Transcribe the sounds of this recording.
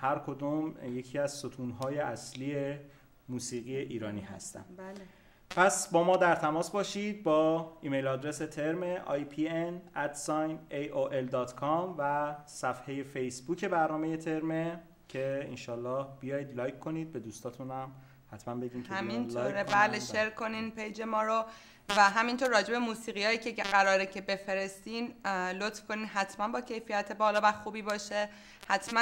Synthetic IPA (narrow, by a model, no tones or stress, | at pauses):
hæɾkʰo̞d̪umje̞cʰiːæzsot̪ʰuːnɦɒːje̞ʔæsliːe | muːsiːɣijeʔiːɾɒːniːɦæ̰st̪æ̰mb | pʰæsbɒːmɒːd̪æɾt̪ʰæmɒːsbɒːʃid̪̚bɒːiːme̞jlɒːd̪ɾe̞se̞t̪ʰe̞ɾmeʔɒ̰jpʰienæt̪sɒːjnejoʔeld̪ɒːt̪kʰɒmvæsæfheje̞fejsbuːcʰe̞bæɾnɒːmeje̞t̪ʰe̞ɾme | cʰe̞enʃɒːlːɒːhb̥ijɒːjiːd̪lɒːjkʰːo̞niːd̪̚be̞d̪uːst̪ɒːt̪ʰunæm | hæt̪mænbe̞ɟiːnmʰhæmint̪ʰoːɾebæleʃe̞ɾkʰo̞ninpʰejd͡ʒe̞mɒːɾo | væɦæmint̪ʰoɾːɒːd͡ʒe̞bemuːsiːɣijɒːjicʰeɡæɾɒːɾecʰe̞be̞fe̞ɾest̪iːnlot̪fkʰoniːnɦæt̪ʰmænbɒːcʰe̞jfijæt̪ʰebɒːlɒːvæxuːbiːbɒːʃe | hæt̪ʰmæ